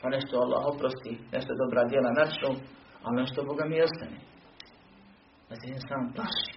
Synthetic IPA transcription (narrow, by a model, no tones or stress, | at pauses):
paneʃt̪oalˠːa̰ːɦopɾost̪ineʃt̪od̪obɾaːd̪jelanat͡ʃnualneʃt̪oboɡamiost̪ane | at̪eesaːmplˠaʃi̥